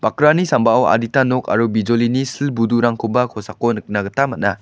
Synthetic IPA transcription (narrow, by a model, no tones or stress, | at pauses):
b̥akɾanisambaawa̰ditanɔka̰ɾubid͡ʒolinisilbuduɾaŋkʰubakʰɔsakɔnɯk̚naɡɐtamat̚na